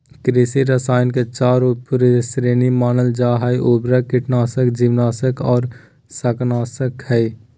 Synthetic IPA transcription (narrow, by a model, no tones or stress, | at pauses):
kɾɪsiɾəsaːɪnket͡ʃaːɾupuɾesɾeːnimaːnəld͡ʒaːɦaiʔoːbɾakɪʈnaːsəkd͡ʒiːʋnaːsəkɔːɾ | sɐknaːsəkhɛ